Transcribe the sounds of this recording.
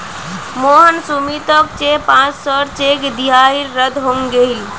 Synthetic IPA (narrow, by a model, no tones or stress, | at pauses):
moɦənsumit̪əkt͡ʃepãt͡ʃsəɾt͡ʃekd̪iɦaiɾːəd̪ɦomɡeil